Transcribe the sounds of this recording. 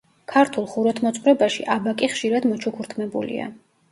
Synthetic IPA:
kʰaɾt̪ʰulˠχuɾɔt̪ʰmɔt̪sʼvɾɛbaʃḭʔabakʼiχʃiɾad̪mɔt͡ʃʰukʰuɾt̪ʰmɛbṵlḭa̰

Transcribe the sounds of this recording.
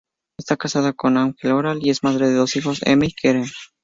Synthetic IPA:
est̪akasaðako̞naŋxeloɾalie̞zmaðɾe̞ðe̞ðo̞sixo̞sḛmeikʰeɾen

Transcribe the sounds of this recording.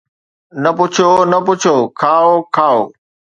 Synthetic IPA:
nəpʊt͡ʃʰonəpʊt͡ʃʰoːkʰaːokʰaːoː

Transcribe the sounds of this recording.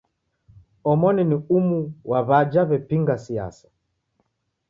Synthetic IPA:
ɔmɔniniumuwaβad͡ʒaβɛpiŋɡasia̰sḁ

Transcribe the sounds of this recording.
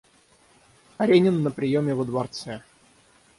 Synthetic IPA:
ɐɾʲenʲɪnːəpɾʲɪjomʲɪvəd̪vɐrt̪sɛ

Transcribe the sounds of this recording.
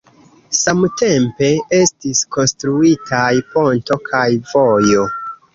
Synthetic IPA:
samte̞mpe̞e̞stisko̞nstɾuitʰajpo̞nto̞kʰajvo̞jo̞

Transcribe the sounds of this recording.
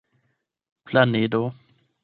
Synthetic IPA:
pʰlaned̪o

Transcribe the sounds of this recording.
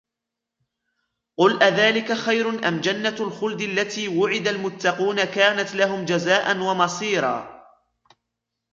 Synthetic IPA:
qʊlʔaðaːlɪkaxajɾʊnʔa̰md͡ʒanːalxʊld̪ɪʔalːat̪iːwʊʕɪd̪almʊt̪ːɑquːnakaːnat̪laɦʊmd͡ʒazaːʔanwamɑsˤiːɾˤɑ̰ː

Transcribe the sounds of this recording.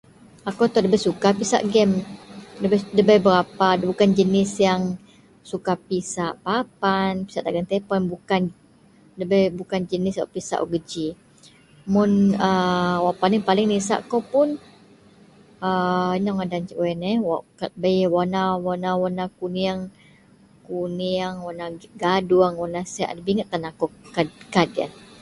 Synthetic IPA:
akot̪ɔdəbɛsukapisa̰ʔɡɛmdəbɛdəbajbəɾapabukand͡ʒənɪsjaŋ | sukapisaʔpapanpi̥saʔt̪aɡant̪ɛpanbukan | dəbɛbukand͡ʒənɪswa̰ʔpisa̰ʔuɡəd͡ʒi | mʊnəwaʔpalɪŋpalɪŋnisa̰ʔkopʊn | əinɔŋadand͡ʒiʔwɛnɛwaʔkat̪̚bəjwanawanawanakuniaŋ | kuniaŋwanaɡaduaŋwanasia̰ʔdəbiŋət̪̚ːanakɔkadkada̰n

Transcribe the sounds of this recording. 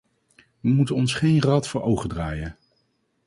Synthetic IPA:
ʋəmutənɔnsχejnrɑtfʊːɹʔowχədraːjən

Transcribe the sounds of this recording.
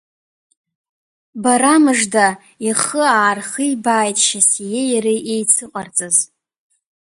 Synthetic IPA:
baɾamɨʐda | iχəaːrχɨjibaːjtʼʃasijejɾiʔejt͡sʰɨqʼart͡sʼɨz

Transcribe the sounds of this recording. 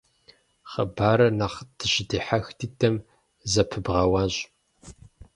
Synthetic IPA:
χɐ̰baːɾɐnaːχd̥ʰɨɕdiːħaxtʰiːtʰɐm | zɐpʰɨbʁɐwaːɕʼ

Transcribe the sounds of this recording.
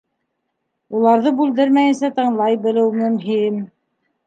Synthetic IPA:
ulˠɑɾðɤbʉld̪ɘɾmæjɘ̆nsæt̪ɤ̆ɴlˠɑjbɘ̆lɘwmɵ̆mɦim

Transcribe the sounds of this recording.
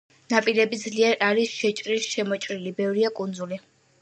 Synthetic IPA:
napʼiɾɛbid̪zliɛɾaɾisʃɛt͡ʃʼɾisʃɛmɔt͡ʃʼɾilibɛvɾiakʼund̪zuli

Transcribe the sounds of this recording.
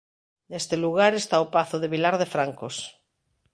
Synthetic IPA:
nest̪eluɣaɾest̪aopaθoðeβilaɾðefɾaŋkos

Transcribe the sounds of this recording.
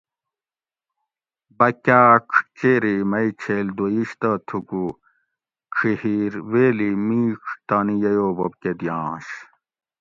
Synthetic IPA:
bɐkʲaːkʰt͡ɕeːɾimɐit͡ɕʰeːld̪ojiɕt̪ɐt̪ʰuku | kʰihiɾweːlimiːkʰt̪aːnijɐjoːbob̚ked̪jãːɕ

